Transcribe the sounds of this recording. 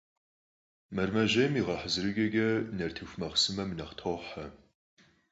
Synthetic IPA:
mɐrmɐʑɐjmiːʁɐħəzɨɾɨɡɐɡɐnɐrtʰɨxmɐʁsɨmɐmɨnɐχtʰoːħɐ

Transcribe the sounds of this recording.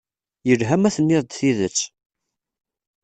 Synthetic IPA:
jəlɦæmæθənːɪðˤd̪θiðət͡sː

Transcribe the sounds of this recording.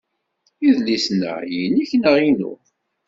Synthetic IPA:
iðlisnə̰ʁjiniçnəʁinʊ̰

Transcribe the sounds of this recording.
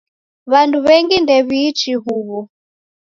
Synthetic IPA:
βanduβɛŋɡindɛβiːt͡ʃiɦuβɔ

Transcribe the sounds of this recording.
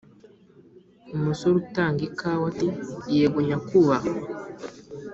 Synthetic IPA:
umusoɾutaːŋɡikawatijeβoɲakuβa

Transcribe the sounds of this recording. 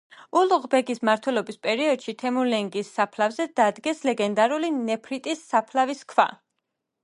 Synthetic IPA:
ulˠʁbɛɡismaɾt̪ʰwɛlɔbispʼɛɾiɔd̪̥ʃit̪ʰɛmulɛŋɡisːapʰlavzɛd̪̥ad̪ɡɛslɛɡɛnd̪aɾulinɛpʰɾit̪ʼisːapʰlaviskʰva̰

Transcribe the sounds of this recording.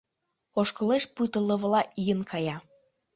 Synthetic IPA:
oʃkŏleʃput̪ə̆lə̆βlɑʔijənkʰɑjɑ

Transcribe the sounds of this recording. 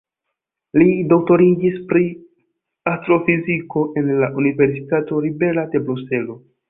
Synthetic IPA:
lidok̚to̞ɾid͡ʒispɾi | astɾo̞fiziko̞ʔe̞nlaʔunive̞ɾsi̥tato̞ɾibe̞lade̞bɾuse̞lo̞

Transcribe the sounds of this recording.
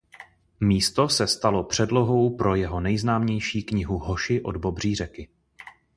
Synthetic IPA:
miːst̪o̞sɛst̪alo̞pr̝̥ɛdlo̞ɦo̞wpɾo̞jɛɦo̞nɛjznaːmɲɛjʃiːkɲɪɦuɦo̞ʃɪʔo̞dbo̞br̝iːrɛkɪ

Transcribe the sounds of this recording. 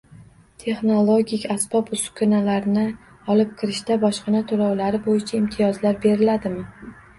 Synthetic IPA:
t̪ʰe̞χnolˠoɡʲikʲasb̥ɒpʊskʰʊnalaɾnɪ | ɒlɪp̚kʲʰɪɾɪʃt̪abɒʃqɨnat̪ʰolɒwlaɾɪbojɪt͡ʃʰaɪmt̪ʰijɒzlaɾbe̞ɾɪlad̪ɪmɪ

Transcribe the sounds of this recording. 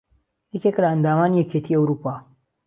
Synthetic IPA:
jɛkʲeklaɐnd̪aːmaːnijɛcʰet̪ʰiːɐwɾuːpaː

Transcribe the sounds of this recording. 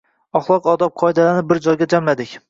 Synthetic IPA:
ɒχlˠɒqɒd̪ɒp̚qʰɒɪd̪alanɪp̚bɪɾd͡ʒɒjɡʲad͡ʒamlad̪ɪkʲ

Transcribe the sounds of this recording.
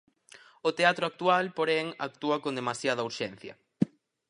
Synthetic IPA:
ʊt̪eat̪ɾʊak̚t̪ualpoɾɛŋa̰k̚t̪uɐkond̪emasjað̞ɐuɾʃen̟θjɐ̰

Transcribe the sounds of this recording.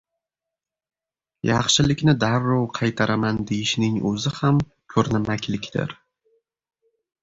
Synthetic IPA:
jɑχʃɪlɪkʲnɪd̪aɾːɒwqʰɑjt̪ʰaɾʔamand̪ejɪʃnɪŋɵ̰zɪham | kʲʰɵɾnɪmakʲʰlɪkʲd̪ɪ̰ɾ

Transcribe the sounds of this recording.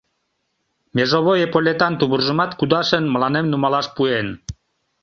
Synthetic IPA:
mʲeʒoβojepolʲet̪ɑnt̪uβurʒə̆mɑt̪kud̪ɑʃənmə̆lɑnemnumɑlɑʃpuen

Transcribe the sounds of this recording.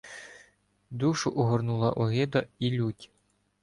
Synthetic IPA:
d̪uʃʊʔɔɦɔrnulˠɐʔɔɦɪd̪ɐilʲutʲ

